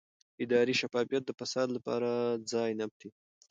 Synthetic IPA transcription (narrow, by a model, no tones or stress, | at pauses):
ɪd̪ɑɾiʃafɑfijat̪̚d̪əfasɑd̪lapɑ̰ɾad͡zɑjnap̚t̪i